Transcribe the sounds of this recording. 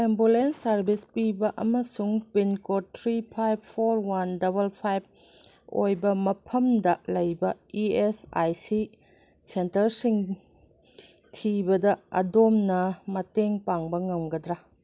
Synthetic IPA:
embulensɐɾbispibɐʔɐ̰mɐsuŋpinkotʰɾipʰajb̚pʰoɾwandɐβɐlpʰajb̚ | o̰jbɐmɐpʰɐmdɐlɐjbɐiesa̰jsi | sentɐɾsiŋ | tʰibɐdɐɐ̰domnɐmɐteŋpaŋbɐŋɐmɡɐdɾa

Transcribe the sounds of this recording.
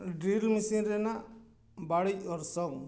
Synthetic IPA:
ɖilmisinɾɛnaʔ | baɽijɔɾsɔŋ

